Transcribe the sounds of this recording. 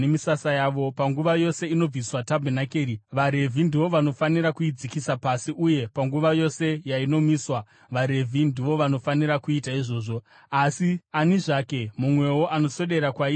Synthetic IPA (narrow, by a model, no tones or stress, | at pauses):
emisasajaʋo̞paŋɡuʋajo̞se̞ino̞b͡viswatabʱenakeːɾiʋaɾe̞vʱindiʋo̞ʋano̞faniɾakuid͡zikisapasiʔuje̞paŋɡuʋajo̞se̞jaino̞miːswa | ʋaɾe̞vʱindiʋo̞ʋano̞faniɾakuitaiʐo̞ːʐo̞ | asianiʐake̞mumwe̞wo̞ʔano̞so̞ɗe̞ɾakwai